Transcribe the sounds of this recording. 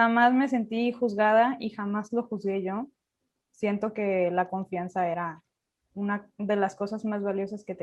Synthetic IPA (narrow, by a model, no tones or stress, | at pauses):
xamazme̞s̬e̞nt̪ixuzɣað̞aixamazlo̞xuzɣe̞ʝo̞ | sje̞nt̪o̞ke̞lako̞ɱfjansae̞ɾa | unaðe̞lasko̞sazmazβaljo̞sasket̪e